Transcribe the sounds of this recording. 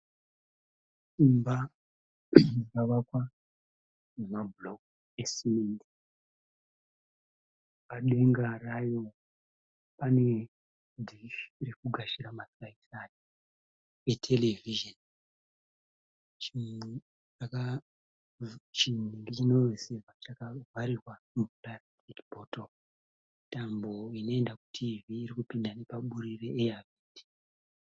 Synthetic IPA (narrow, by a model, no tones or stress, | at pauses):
imba | akaʋakwa | nemablok̚ | esimendi | paɗe̞ŋɡarajo | pane̞ | dʱiʃrekuɡʱaʃiɾamataitʰani | etʰe̞levʱiʒan | t͡ʃi | t͡ʃaka | t͡ʃiniŋɡit͡ʃino̞iserwat͡ʃakavaɾirwa | muplastikbʱoto | mitambo̞ino̞e̞ndaku̥tʰiviːɾikupindane̞paɓuɾire̞ʔeaviːti̥